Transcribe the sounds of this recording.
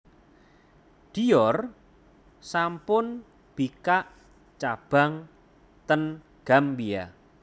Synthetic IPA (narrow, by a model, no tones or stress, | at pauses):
d̪̥i̤jɔr | sampʊn | b̥ikaʔ | t͡ʃab̥a̤ŋ | t̪ən | ɡ̥a̤mbia̰